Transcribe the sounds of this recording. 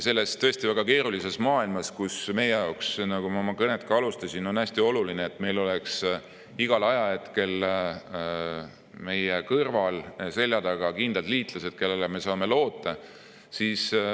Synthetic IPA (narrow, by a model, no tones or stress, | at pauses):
se̞lːe̞st̪t̪ːɤ̞esʲt̪ivæɡ̥ɑke̞ːɾulise̞smɑːilmɑskusme̞jejɑoksnɑɡumɑmɑkɤnet̪kɑɑlust̪ɑsino̞næsʲt̪io̞lulineːt̪ːˑme̞jlo̞leks | iɡ̥ɑlɑjɑe̞t̪ke̞l | me̞jekɤrvɑlse̞lʲjɑd̪̥ɑɡ̥ɑkind̪̥ɑld̪liːt̪lɑse̞d̪̥ke̞lːeleme̞sɑːme̞lo̞ːt̪ːˑɑ | sis